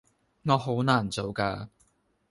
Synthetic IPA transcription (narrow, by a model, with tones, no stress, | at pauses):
ŋɔː˨˧ɦo˨˥wnaː˨˩nt͡so˨˧wkaː˧